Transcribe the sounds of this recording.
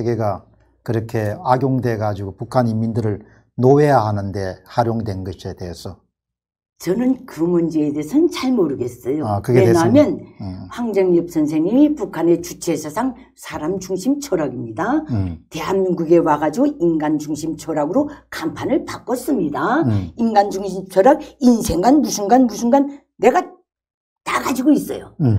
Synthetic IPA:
sʰeɡe̞ɡa | kɯɾʌkʰe̞aɡjoŋde̞ɡad͡ʑiɡopukʰanimːindɯɾɯɭ | noe̞jahanɯnde̞haɾjoŋdwenɡʌɕʰie̞de̞ːsʰʌ | t͡ɕʌnɯnkɯmund͡ʑe̞ːdeːsʰʌnt͡ɕaɭmʌɾɯɡe̞s͈ʌjokɯɡeenamjʌnɸwaŋd͡ʑaŋjʌp̚s͈ʰʌns̬ʰeŋɲimipukʰane̞t͡ɕut͡ɕʰe̞sʰasʰaŋ | sʰaɾamd͡ʑuŋɕʰimt͡ɕʰʌɾaɡimɲidate̞ɦanːuŋɡuɡe̞waɡad͡ʑiɡoinɡand͡ʑuŋɕʰimt͡ɕʰʌɾaɡɯɾokampʰanɯɭpak͈ʌs͈ɯmɲidainɡand͡ʑuŋɕʰimt͡ɕʰʌɾaɡinsʰe̞ŋɡanmusʰunɡanmusʰunɡanː | e̞ɡa | taɡad͡ʑiɡois͈ʌ̰jo̰

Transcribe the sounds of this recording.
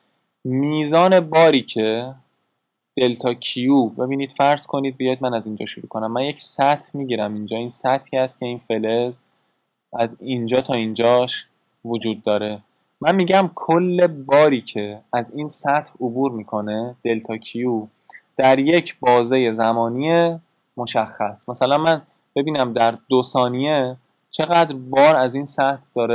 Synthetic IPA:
miːzɒːne̞bɒːɾiːcʰe̞ | d̪̥e̞lt̪ʰɒːcʰijuːbe̞biːniːd̪̥fæɾz̥kʰo̞niːd̪̚bijɒːjid̪mænæzind͡ʒɒ̰ːʃuɾṵkʰo̞næmːænje̞csæt̪ʰmiːɟiːɾæmind͡ʒɒːinsæt̪ʰːiːhæst̪̚cʰʲe̞iːnfe̞lez | æzind͡ʒɒːt̪ʰɒːind͡ʒɒːʃ | vod͡ʒuːd̪̚ːɒːɾe̞ | mænmiːɟæmkʰolːe̞bɒːɾiːcʰe̞æziːnsæt̪ʰobuːɾmiːkʰo̞ne̞d̪̥e̞lt̪ʰɒːcʰiju | d̪̥æɾje̞cʰbɒːzeje̞zæmɒːnije | mo̞ʃæxːæsmæsælænmæn | b̥e̞biːnæmd̪æɾd̪osɒːnije | t͡ʃʰe̞ɣæd̪ɾbɒːɾæzinsæt̪ʰd̪̥ɒːɾe

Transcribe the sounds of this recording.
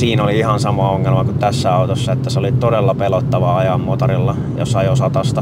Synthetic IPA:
siːnoliihɑnsɑmoɑoŋːelmɑkut̪t̪æsːæɑut̪osːɑet̪ːæseolit̪odelːɑpelot̪ːɑʋɑɑjɑmmot̪ɑrilːɑ | jɑ̰sɑjosɑt̪ɑst̪ɑ

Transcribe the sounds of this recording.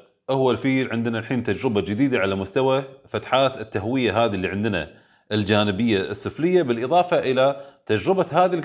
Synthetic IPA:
ʔahwːalfiːlʕɪnd̪ɪnalħiːnt̪ad͡ʒɾɪbad͡ʒɪd̪iːd̪aʕalamʊst̪awafat̪ħaːt̪ɪt̪ːaɦwɪjːaɦaːðilːiːʕɪnd̪ɪna̰ | ʔɪld͡ʒaːnɪbɪjːaɪsˤːɨflɪjːabɪlʔɪðˤɑːfaʔɪlat̪ad͡ʒɾɪbahaːðil

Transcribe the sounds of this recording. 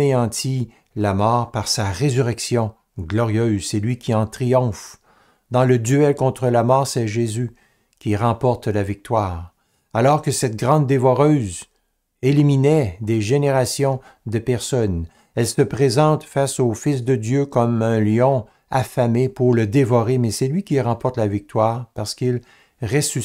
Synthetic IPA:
eɑ̃t̪ʰi | lamɔːʁpaʁsaʁezyʁɛksjɔ̃ | ɡlɔʁjøzsɛlɥikʲʰiɑ̃t̪ʁijɔ̃f | d̪ɑ̃ləd̪yɛlkɔ̃t̪χəlamɔːʁsɛʒezy | kʲiʁɑ̃pɔʁt̪lavik̚t̪waːʁ | alɔʁkəsɛt̪̚ɡʁɑ̃d̪ːevɔʁøz | eliminɛd̪eʒeneʁasjɔ̃ | d̪əpɛʁsɔn | ɛlsəpʁezɑ̃t̪fasofisd̪əd̪jøkɔmɛ̃ljɔ̃ | afamepuʁləd̪evɔʁemɛsɛlɥikʲiʁɑ̃pɔʁt̪lavik̚t̪waːʁpaʁsə̥kil | ʁesy

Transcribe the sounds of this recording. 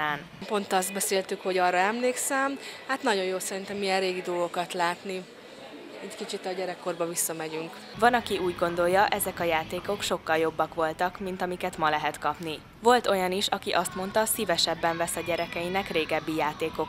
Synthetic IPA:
aːn | po̞nt̪ɒzd̪̚bɛseːlt̪ykho̞ɟɒːrːɒɛmleːksɛmhat̪nɒɟo̞jjoːsɛɾint̪ɛmijɛnreːɡid̪oːɡo̞kɒt̪laːt̪ni | ɛckit͡ʃit̪ɒɟɛɾɛkːo̞rbɒvisːɒmɛɟyŋk | vɒnɒkiuːɟɡo̞nd̪o̞ljɒʔɛzɛkɒjaːt̪eːko̞kʃo̞kːɒljo̞bːɒkʋo̞lt̪ɒkmint̪ɒmikɛt̪mɒlɛɦɛt̪kɒpni | vo̞lt̪o̞jɒniʃɒkiʔɒst̪mo̞nt̪ɒsivɛʃɛbːɛɱvɛsɒɟɛɾɛkɛinɛkreːɡɛbːijaːt̪eːko̞k

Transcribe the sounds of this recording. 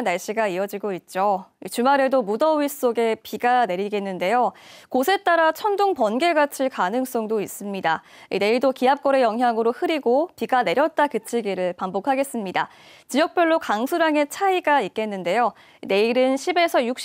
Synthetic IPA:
nːaɭɕ͈iɡaijʌd͡ʑiɡoit̚t͡ɕ͈oit͡ɕumaɾe̞domudʌɥis͈oɡe̞piɡane̞ɾiɡenːɯnde̞jokosʰe̞t͈aɾat͡ɕʰʌndoŋpʌnɡe̞ɡat͡ɕʰiɭkanɯŋs͈ʌŋdois͈ɯmɲida | ḭne̞iɭdokiɦap̚k͈ʌɾe̞jʌŋɦjaŋɯɾohɯɾiɡopiɡane̞ɾjʌt̚t͈akɯt͡ɕʰiɡiɾɯɭpaŋbokʰaɡe̞s͈ɯmɲida̰ | t͡ɕijʌk̚pjʌɭːokaŋsʰuɾaŋe̞t͡ɕʰaiɡaik̚k͈e̞nːɯnde̞jo | ine̞iɾɯnɕʰibe̞sʰʌjuk̚ɕ͈

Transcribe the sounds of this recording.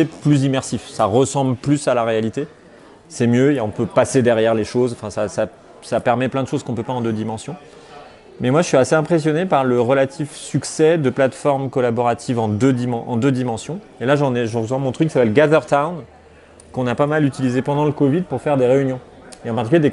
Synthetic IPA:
eplyzimɛʁsifsaʁəsɑ̃blplysalaʁealit̪e | sɛmjøeɔ̃pøpased̪ɛʁjɛʁleʃozɑ̃fɛ̃sasa | sapɛʁmɛplɛ̃d̪əʃozkɔ̃pøpaɑ̃d̪ød̪imɑ̃sjɔ̃ | mɛmwaʒəsɥiaseɛ̃pχes̬jɔnepaʁləʁəlat̪ʰifsyksɛd̪əplat̪fɔʁmkɔlabɔʁat̪ʰivɑ̃d̪ød̪imɑ̃ʔɑ̰̃d̪ød̪imɑ̃sjɔ̃ | elaʒɑ̃nɛʒəʁzwɑ̃mɔ̃t̪χykːi̥sapɛlɡazœʁt̪awn | kɔ̃napamalyt̪ilizepɑ̃d̪ɑ̃ləkɔvid̪̚puʁfɛʁd̪eʁeynjɔ̃ | eɑ̃paʁt̪ikyljed̪e

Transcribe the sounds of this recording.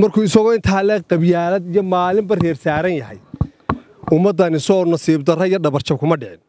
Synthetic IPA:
mɐrkʰuːɪsɐɣɔɪnt̪ʰaːlɛqɑbjaːlɐd̪ijɔmaːlɪmbɐrɛːrsaːɾɐnjɐɦɛj | ʊmːɐd̪ːɐnɪsɔnɐsiːbd̪ɐrɐijɔɖɐβɐrt͡ʃɐb̚kʰʊmɐɖɪʕɪn

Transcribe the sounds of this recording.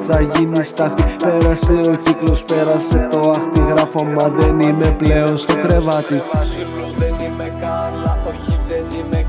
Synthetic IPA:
θɐʝinist̪ɐxt̪ipe̞ɾɐse̞o̞ciklo̞spe̞ɾɐse̞t̪o̞ɐxt̪iɣɾɐfomɐðe̞nime̞ple̞o̞nst̪okɾe̞vɐt̪i

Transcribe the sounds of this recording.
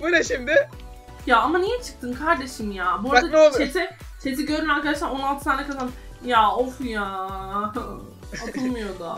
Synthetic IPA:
bunaʃimd̪ɪ | jaːamanijɛt͡ʃʰɯ̥k̚t̪ʰɯnkʰaɾd̪e̞ʃimjaːbuɾd̪at͡ʃet̪ʰit͡ʃʰet̪̬ʰiɟø̞ɾymaɾkad̪aʃlˠaɾo̞nalˠt̪ʰɯ̥sʰaːnɛkʰazan | jaːofjaː | ak̪ʰɯlˠmɯjo̞d̪ʊ

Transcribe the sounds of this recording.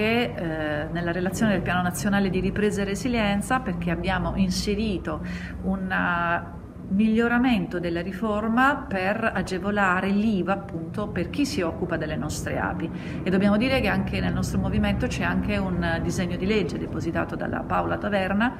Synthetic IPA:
ke | nelːaɾelat̪sːjoːned̪elpjaːnonat̪sːjonaːled̪iɾipɾeːzaerːeziljɛnt̪saperk̟eabːjaːmoʔinseɾiːt̪o | un | miʎːoɾament̪od̪elːaɾiformaperad͡ʒevolaːɾeliːvaːpːunt̪operk̟isːiɔkːupad̪elːenɔst̪ɾḛa̰ːpi | ed̪ːobjaːmod̪iːɾekeaŋkenelnɔst̪ɾomoviment̪ot͡ʃɛaŋk̟eund̪izeɲːod̪iled͡ʒːed̪epozit̪a̰ːt̪od̪a̰lʔa̰pawlat̪avɛrna

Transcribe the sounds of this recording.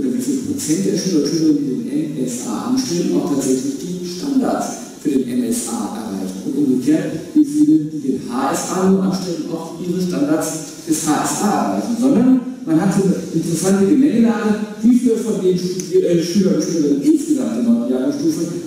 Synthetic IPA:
odɐɡisəpʁ̥ot͡sɛnt̚d̥eːɐʃyːlɐʃyːləʁəndiːdeːnʔɛnɛsʔa̰ːʔa̰nʃtɛln̩a̰ʊxtʰaːtz̥ɛçlɪçɡ̥eːɡ̩ʃtandaɐtt͡s | fyːɐdeːnʔɛnɛsʔa̰ːʔɛ̰ɐʁa̰ɪçn̩ʊntʔʊmɡəkʰeːɐtv̥ifyːləd̥iːdeːnhaːɛsʔaːnuːɐʔanʃtɛlən̩ʔa̰ʊfʔiːʁəʃtandaɐs | d̥ɛshaːʔɛsʔaːʔɛ̰ɐʁaɪçn̩zɔndɐnmanɦatz̥oːnəʔɪntəʁəsantəɡəmɛŋdanviːfiːləsfɔndeːnʃiːiʃyːlɐʃyːləʁɪnnʔɪnsɡ̥əzamt̚d̥ənajaːnʃtuːfə

